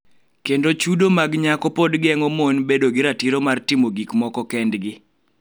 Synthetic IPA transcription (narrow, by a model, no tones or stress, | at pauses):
kendot͡ʃudomaɡɲakɔpodɡɪɛŋɔmonbedoɡɪɾatiɾomartɪmoɡikmɔkɔkɛndɡɪ